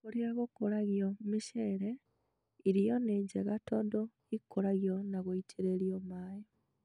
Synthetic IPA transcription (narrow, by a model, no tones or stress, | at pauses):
oɾiaɣokoɾaɣjomiʃeɾe | iɾijoneɲɟeɣatoːndo | ikːoɾaɣjonaɣoitʰiɾeːɾjomaːjo